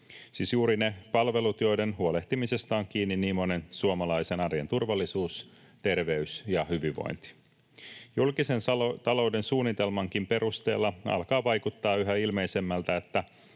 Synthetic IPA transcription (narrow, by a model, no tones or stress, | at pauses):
siːsjuːɾine̞pɑlʋe̞lut̪jo̞jde̞nhuole̞ht̪imisest̪ɑːŋk̟iːnːinniːmːone̞nsuomɑlɑjse̞nɑrjent̪urʋɑlːisuːs | t̪e̞rʋe̞ysjɑhyʋiʋo̞̰jnt̪i̥ | julkise̞nt̪ɑlo̞wde̞nsuːnːit̪e̞lmɑŋkimpe̞ɾust̪e̞̰ːlːɑɑ̰lkɑːʋɑjkut̪ːɑːyɦæilme̞ise̞mːælt̪æet̪ːæ